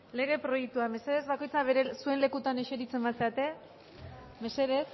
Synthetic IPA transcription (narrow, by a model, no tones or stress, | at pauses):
le̞ɣ̞e̞pɾo̞jek̚t̪uame̞se̞ðe̞zβako̞jt͡saβeɾesue̞nle̞kut̪aneʃe̞ɾit͡se̞mbaseat̪e̞ | me̞se̞ðe̞s